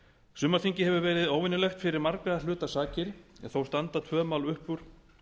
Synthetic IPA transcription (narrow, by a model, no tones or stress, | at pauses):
sʏmːaɾθiɲcɪhɛvʏɾvɛːɾɪðoːwɪnʏlɛxt̪fɪɾɪɾmaɾkɾaðalʏːt̪asaːcɪɾɛ̰nθowst̪ant̪at̪ʰvœːmawlʏhpʏɾ̥